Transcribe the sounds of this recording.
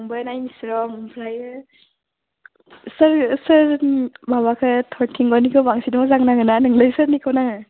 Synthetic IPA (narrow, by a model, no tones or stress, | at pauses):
ŋbɯnajnisɾɔmpʰɾajɯ | sɯɾsɯɾbaβakʰɯtʰɔɾtʰiŋɡɔnikʰɯwbaŋsidmɔzaŋnaŋɯnanɯŋlɯjsɯɾnikʰɯwnaŋɯ